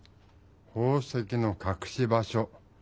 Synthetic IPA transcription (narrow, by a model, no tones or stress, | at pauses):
hoːse̞kʲino̞kakɯ̥ɕibaɕo